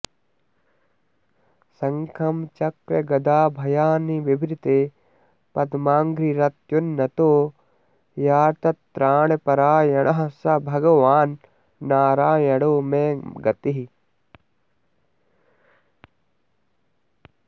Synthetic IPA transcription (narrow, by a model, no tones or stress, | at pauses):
sɐŋkʰɐmt͡ʃɐkɾɐɡɐd̪aːbʱɐjaːniʋibʱɾit̪eː | pɐd̪maːŋɡɾiɾɐt̪junːɐt̪oː | jaːɾt̪ɐt̪ːɾaːɳepɐɾaːjɐɳɐɦɐsɐbʱɐɡɐʋaːnː | aːɾaːjɐɽoːmeːɡɐt̪iɦi